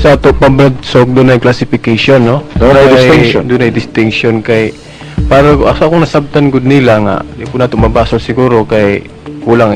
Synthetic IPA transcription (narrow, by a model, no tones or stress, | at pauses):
sɐʔaːt̪oʔpɐbɾad̪̚soɡ̚d̪ʊnɐjklasɪfɪkajʃonːod̪onajd̪ɪsɪŋod̪ʊnajd̪ɪst̪ɪŋkʃonkaj | paːɾɐkʔasʔɐkoŋnɐsab̚t̪anɡʊd̪nɪlaŋa̰ʔd̪ɪpʊnaːt̪omɐbaːsolsɪɡuːɾo̞kaj | kuːlaŋ